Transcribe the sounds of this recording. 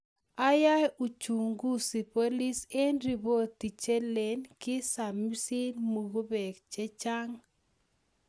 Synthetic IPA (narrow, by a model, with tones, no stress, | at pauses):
a˦ja˦ju˨t͡ʃu˨ŋɡu˦si˨po˦li˦se˦nɾi˨bo˦t̪i˨t͡ʃe˦le˨nkɪ˦sa˨mi˦si˦nmu˨ɣu˦be˨kt͡ʃe˦t͡ʃa˦ŋ